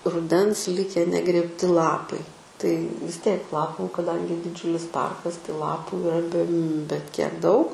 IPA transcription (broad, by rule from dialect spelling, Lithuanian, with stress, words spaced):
rʊˈdʲɛns ˈlʲɪkʲɛ nʲɛɡrʲeːpʲˈtʲɪ ˈlˠɑːpɐɪ tɐɪ ʋʲɪs ˈtʲiɛk ˈlˠɑːpuː kɐˈdɐŋʲɡʲɪ dʲɪˈd͡ʒʲʊlʲɪs ˈpɐrkɐs tɐɪ ˈlˠɑːpuː ɪˈrɐ bʲɛ bʲɛt kʲiɛk ˈdɐʊk